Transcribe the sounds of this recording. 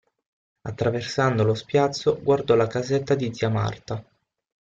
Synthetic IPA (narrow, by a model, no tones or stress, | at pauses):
at̪ːɾaversand̪olospjat̪sːoɡward̪ɔlakazet̪ːad̪id̪ziama̰rt̪a